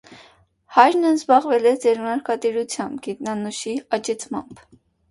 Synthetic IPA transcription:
hɑjɾnəzbɑʁvɛlɛd͡zɛɾmɑɾkɑt̪iɾut͡sʰjɑmbɡit̪nɑnuʃiɑt͡ʃɛt͡sʰmɑ̰mb̥

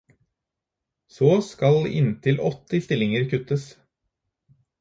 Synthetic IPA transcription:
soːskɑlɪ̰nt̪ʰɪlɔt̪ɪst̪ɪlɪŋəɾkʰʉt̪əs

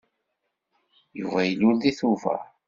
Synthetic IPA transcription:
juvæjəlːulðiθuvæ̰

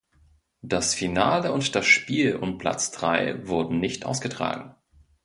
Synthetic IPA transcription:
d̥asfinaːləʊntd̥asʃpiːlʔʊ̰npʰl̥a̰t͡sd̥ʁaɪvʊɐdn̩nɪçtʔa̰ʊsɡ̥ətʁ̥a̰ːɡŋ̩

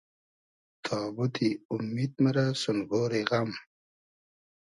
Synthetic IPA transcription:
t̪ʰɑːbut̪iumːid̪̚mɐɾasunɡoːɾeɣam

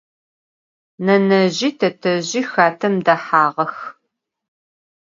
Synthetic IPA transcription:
nɐnɐʑiːtʰɐtʰɐʑiːxaːtʰɐmdɐħaːʁɐx

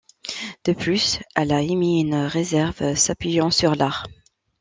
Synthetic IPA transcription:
d̪̥əplysɛlaemiynʁezɛʁvsapɥijɑ̃syʁlaʁ

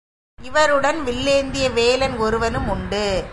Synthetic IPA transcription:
ɪʋɐɾɯɽɐnʋɪlːeːnd̪ɪjɐʋeːlɐnɔɾɯʋɐnɯmʊɳɖɯ

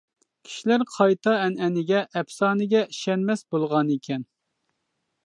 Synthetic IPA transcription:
kʲʰi̥ʃilæɾqʰɑjt̪ɑɛnɛnɪɡʲɛʔɛpsɑːnɪɡʲɛiʃɛnmɛsbolˠʁɑnikʲʰɛn

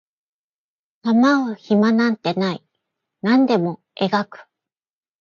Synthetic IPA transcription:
t̪amaβaçimanãnt̪e̞nai | nãnd̪e̞mo̞ | e̞ɡakɯ̟̥

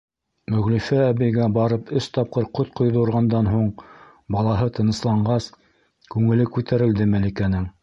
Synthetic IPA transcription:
mɵ̆ɣlifææβɘ̆jɡæbɑɾɤpɵst̪ɑp̚qɤɾqot̪qŏjðɤŭɾʁɑnd̪ɑnɦuɴ | bɑlˠɑɦɤt̪ɤ̆nɤ̆slˠɑɴɢɑs | kʉŋɘ̆lɘkʉt̪æɾɘ̆ld̪ɘmælikænɘŋ

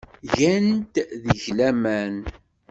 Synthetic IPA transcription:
ʝænt̪ðiʝlæmæn

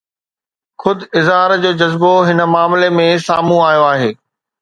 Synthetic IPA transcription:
xʊd̪ɪzɦaːɾd͡ʑoːd͡ʑɐzboɦɪnə̆maːmlemẽsaːmũaːjoaːɦeː

